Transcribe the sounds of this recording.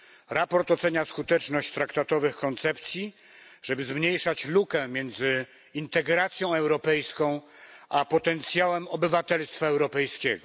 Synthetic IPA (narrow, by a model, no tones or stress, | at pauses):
ɾapɔɾt̪ɔt̪sɛɲaskut̪ɛt͡ʂnɔɕt͡ɕt̪ɾakt̪at̪ɔvɘxkɔnt̪sɛp̚t̪sʲji | ʐɛbɘzmɲejʂat͡ɕlukɛ̃mʲjɛnd̪zɘ | int̪ɛɡɾat̪sʲjɔ̃w̃ɛwɾɔpɛjskɔ̃w̃ | apɔt̪ɛnt̪sʲjawɛmɔbɘvat̪ɛlst̪faɛwɾɔpɛjskʲɛɡɔ